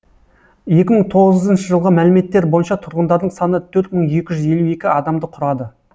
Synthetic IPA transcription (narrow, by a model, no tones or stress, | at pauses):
je̞kʲɪməɴt̪ʰo̞ʁəzənʃəʒəlˠʁəmælɪme̞t̪ːe̞ɾbojənʃɑt̪ʰʊɾʁənd̪ɑɾd̪əɴsɑnət̪ʰɵɾt̪məɴje̞kʲɪʒʏze̞lue̞kʲɪɑd̪ɑmd̪əqʰʊɾɑd̪ə